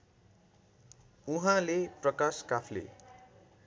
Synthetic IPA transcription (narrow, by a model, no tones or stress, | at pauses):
uɦãleprʌkaskapʰlḛ